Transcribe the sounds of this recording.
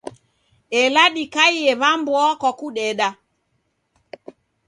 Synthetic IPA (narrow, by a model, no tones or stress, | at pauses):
ɛlaɗikaiɛβambwɔkɔkuɗɛɗa